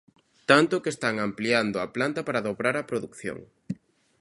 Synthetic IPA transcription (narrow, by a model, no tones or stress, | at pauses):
t̪ant̪ʊkest̪aŋampliand̪ʊaplant̪apaɾaðoβɾaɾɐpɾoðukθjo̰ŋ